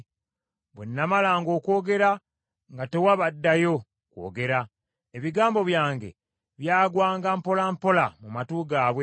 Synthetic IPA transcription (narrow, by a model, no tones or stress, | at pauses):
βwenːamalaːŋɡo̞ːko̞ːɡe̞ɾa | ŋɡate̞waβadːajo̞ | kwo̞̰ːɡe̞ɾa | eβiɡaːmbo̞βjaːŋɡe̞̰ | βjaːɡwaːŋɡampo̞lampo̞lamumatuɡaːβwe